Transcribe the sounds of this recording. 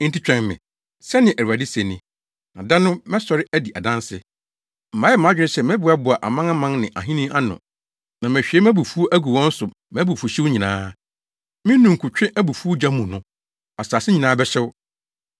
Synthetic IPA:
n̩˦ti˦t͡ɕᶣɛ̃˨ŋmɪ̃˨ | sɛ˦nɪ̃˨ʔæ˨a˨dɪ˦se˨nĩ˨ | nã˨da˦nʊ̃˦mɛ̃˦sɔ˨ɾɪ˦ʔæ˦di˨ʔa˨dã˦nsɪ̰˦ | m̩˨ã˨˦jɛ˦m˨ã˨˦d͡ʑᶣɪ˦nɪ̃˦ɕsɛ˦˨mɛ̃˦bʊ˨˦a˦bʊ˨a˨ʔa̰˨mã˦ŋa˦mã˦ŋnɪ̃˨ʔa̰˨ɦĩ˦nĩ˦ʔa˦nʊ̰̃˨ | nã˨mɛ̃˨ɕᶣi˨ɛ˦m˦æ̃˦bu˨fu˦o˦ʔæ˦ɡu˨wɔ̃˦n̩˦sʊ˨ | mæ̃˨˦bu˨fu˨ɕi˦wɲĩ˨nãː˦ | mɪ̃˦nũ˨ŋ̩˨kʰʊ˨t͡ɕᶣɪ̃˦ʔæ˦bu˨fu˦o˦d͡ʑã˦mũ˨nʊ̃˦ | a˨saː˨sɪ˦ɲĩ˨nãː˦bɛ˦ɕɛ˦w

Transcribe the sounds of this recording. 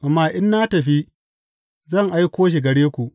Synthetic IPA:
ʔa˨mːaː˨ʔɪ˦nːaː˦tɐ˨ɸi˦ | zɐ˦˨ŋʔa˦jkʷoː˦ʃ̬i˨ɡɐ˨ɽeː˦kʷu˨ʔ

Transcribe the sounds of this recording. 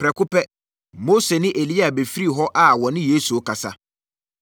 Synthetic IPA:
pɾɛ˨kʊ˦pɛ˦ | mo˦se˨nɪ̃˦ʔe˨li˦a˨be˨fi˦ɾi˦˨ɦɔ˦ʔa˦wɔ̃˨nɪ̃˦jeː˦su˨o˨kʰa˨sa̰˦

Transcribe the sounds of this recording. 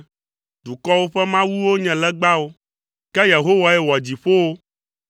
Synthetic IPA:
d̪u˨kɔ˦wo˦ɸɛ˦mã˦wu˦wo˦ɲɛ̃˨lɛ˦ɡ͡ba˦wo˦ | kɛ˦je˨ɦo˦wa˨ɛ˦wɔ˨d͡ʑi˨ɸo˦wo˦

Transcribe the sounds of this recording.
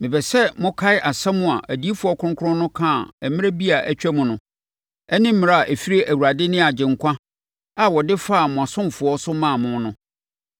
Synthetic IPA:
mɪ̃˨bɛ˨sɛ˦mʊ̃˦kʰa˦ɪ˦ʔa˨sã˦mʊ̃˨a̰˨ʔæ˨di˦e˦fʊ˨ɔ˦kʰʊ˦ʊ̃˦ŋ˦kʰʊ̃˦nːʊ̃˦kʰãː˦˨ɛ˨mɪ̃˦a˦bi˦a˨ʔæ˦t͡ɕᶣæ˦mʊ̃˨nʊ̃˦ | ɛ˦nɪ̃˦m̩˦mɪ̃˦ɾa˦a˨ʔe˨fi˦ɾe˦ʔæ˨wu˨ɾa˨dɪ˦nɪ̃˦a˨d͡ʑɪ̃˨ŋ̩˨kʷʰã˦ | a˨wɔ˨dɪ˦fa˦˨mʊ̃˨a˨sʊ̃˦mfʊ˨ɔ˦sʊ˦mã˦˨mʊ̃˦nʊ̃˦

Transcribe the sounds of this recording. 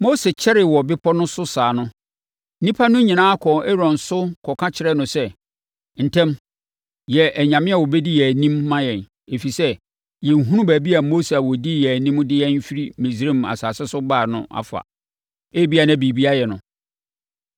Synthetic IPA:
mo˦sɛ˨t͡ɕʰɛ˦ɾɪ˨wɔ˨bɪ˦pʰɔ˦nʊ̃˦sʊ˦saː˨nʊ̃˦ | n̩˦nĩ˦pʰa˦nʊ̃˦ɲĩ˨nãː˦kʰɔ̃˨ɛ˦ɾɔ̃˨nsʊ˦kʰɔ˨kʰã˦t͡ɕʰɪ˨ɾɛ˦nʊ̃˨sɛ˦ | n̩˨tʰɛ̃˦m | jɛ˨ʔæ˨ɲã˨mɪ̃˦a˨wɔ˨bɛ˦di˦jɛ˨nĩ˦mːã˦jɛ̃˨n | e˨fi˨sɛ˦ | jɛ˨ŋ˨ɦũ˦ɾʊ̃˦bæː˨bi˦a˨mo˦se˨a˨wɔ˨di˦jɛ˨æ˨nĩ˦m˦dɪ˦jɛ̃˦n˦fi˦ɾi˦mĩ˨sɾe˦˨ma̰˨saː˨sɛ˦sʊ˦baː˦˨nʊ̰̃˦ʔa̰˨fa̰˨ | e˦bi˦a˨nã˦˨bi˨bi˦a˦jɛ˨nʊ̃˨

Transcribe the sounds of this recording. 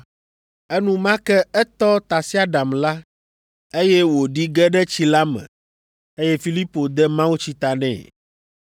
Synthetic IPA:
ɛ˦nũ˦mã˦kɛ˦ɛ˦t̪ɔ˦t̪a˨si˦a˦ɖa˨mla˦ | e˦jɛ˦wo˨ɖi˦ɡɛ˦ɖɛ˦t͡ɕi˦la˦mɛ̰̃˨ | e˦jɛ˦fi˦li˦po˨d̪ɛ˦mã˦wu˦t͡ɕi˦t̪a˨nɛ̰̃˨

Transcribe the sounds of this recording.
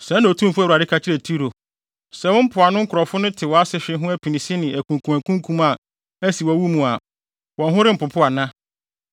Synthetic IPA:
sɛ̃˨˦nã˨tʰũ˦m˦fʊ˦˨u˨a˨dɪ˦kʰa˨t͡ɕʰɪ˦ɾɛ˨tʰi˦ɾo˨ | sɛ˨wʊ̃˦m̩˦pʰʊ˨a˨nʊ̃˦ŋ̩˦kʊ˨ɾɔ˨fʊ˦nʊ̃˦tʰɪ˨wɔ˨a˦sɪ˦ɕᶣɪ˦ɦʊ̃˦æ˦pʰi˨nĩ˨si˦nɪ̃˨ʔæ˨kʰũ˨ŋ˨kʰũ˨æ˨kʰũ˦ŋ˦kʰũ˦ma˨ | æ˦si˨wɔ˨wu˦mũ˨a˨ | wɔ̃˨ɦʊ̃˦ɾɪ˦m̩˨pʊ˨pʰʊ˦a˨nã˦

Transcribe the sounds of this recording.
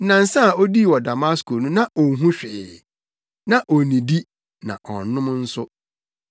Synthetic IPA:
nã˨n̩˨˦sã˦a˨o˦di˦˨wɔ˨da˨ma˦skʰo˨nũ˦nã˦ʔɔ˨ɦũ˦ɕᶣɪ˨ | nã˨ʔo˨nĩ˨di˦ | nã̰˨ʔɔ̰˨n˦nʊ̃˦m˦n̩˦sʊ˦

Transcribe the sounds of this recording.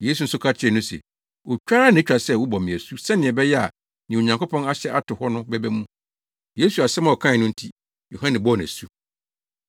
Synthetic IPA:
je˦s̬u˨n̩˦sʊ˦kʰa˦t͡ɕʰɪ˦ɛ˨nʊ̃˦sɛ̰˨ | wɔ˨t͡ɕᶣa˦ɾa˦nɪ̃˨˦t͡ɕᶣa˨sɛ˦˨wʊ˦bɔ˨mɪ̃˨æ˨su˦sɛ˦nɪ̃˨ɛ˨bɛ˦jɛ˦a˨ | nɪ̃˨o˨ɲã˨ŋkʊ˦pʰɔ̃˦na˦ɕɛ˦ʔa˦tʰʊ˨hɔ˦nʊ̃˦bɛ˦bæ˦mũ˦ | je˦su˨a˨sɛ˦mã˦˨ɔ˨kʰã˦ɪ˨nʊ̃˦n̩˦tʰi˦ | jo˨hã˦nɪ̃˨bɔ˦˨næ̰˨su˦

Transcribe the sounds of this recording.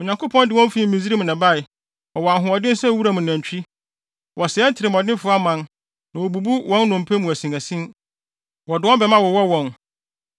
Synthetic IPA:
ɔ˨ɲã˨ŋkʰo˦pʰɔ̃˦ndɪ˨wɔ̃˦n˦fi˦mĩ˨zi˦ɾi˦mʊ̃˨nã˨ba˦˨ɪ˨ | ɔ̃˨wɔ˨a˨ɦʊ̃˨ɔ˨dɪ̃˦n˦sɛ˦˨wu˦ɾa˨mʊ̃˨næ̃˨ɲ˨t͡ɕᶣi˦ | wʔɔ˨sɪ˨˦ɛ˦n̩˦tʰɪ˨ɾɪ˨m˨ɔ˨dɪ̃˦nfʊ˦a˦mã˦n | nã˨wɔ˨bu˨bu˦wɔ̃˦n˦nʊ̃˨m˨pʰæ˦mũ˨æ˨sĩ˨æ˨sĩ˦n | wɔ˨dɪ˨wɔ̃˦bɛ˨mã˦wɔ˨wɔ˦wɔ̃˨n

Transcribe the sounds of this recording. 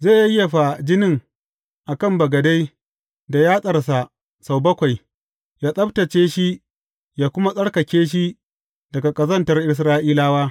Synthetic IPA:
ze˦˨ja˦ɪ˦ja˨ɸa˨d͡ʒɪ˦nɪ˦˨ŋ | ʔa˨kɐ˦˨mbɐ˨ɡɐ˨da˦j | da˨jaː˦sʼɐ˨rsa˨ | sa˨wbɐ˦kʷa˨j | jaː˦sʼɐ˦btɐ˨t͡ʃeː˦ʃi˦ | jaː˦kʷʊ˦ma˦sʼɐ˦ɽkɐ˨kʲeː˦ʃ̬i˦ | dɐ˨ɡa˨kʼɐ˨zɐ˦˨ntɐ˨rʔɪ˦s̬ɾaː˦ʔiː˦laː˦waː˦

